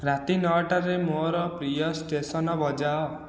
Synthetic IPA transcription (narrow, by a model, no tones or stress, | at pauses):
ɾat̪inɔʈaɾemoɾɔpɾijɔsʈesɔnɔbɔd͡ʒaɔ